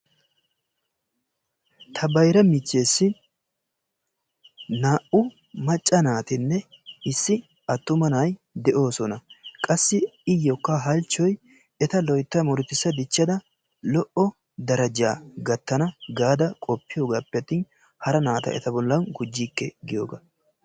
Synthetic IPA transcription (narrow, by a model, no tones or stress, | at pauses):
t̪ʰɐbɐjɾɐmɪt͡ʃːe̞ːsːɪ | naːʔʊ | mɐt͡ʃʼːɐnaːt̪ɪnːɛ | ɪsːɪ | ɐt̪ːʊmɐnajd̪ɛʔo̞ːsɔnɐkʼɐsːɪɪjːɔkːɐɦɐlt͡ʃːɔj | ɛt̪ɐlɔjt̪ːɐmɔɾɪt̪ːɪsːɐd̪ɪt͡ʃːɐd̪ɐ | lɔʔɔ | d̪ɐɾɐd͡ʒaːɡɐt̪ːɐnɐɡaːd̪ɐkʼɔpːɪjoːɡaːpːɛɐt̪ːiːn | hɐɾɐnaːt̪ɐ̰ʔɛ̰t̪ɐbɔlːɐnɡʊd͡ʒːiːkːɛɡɪjoːɡɐ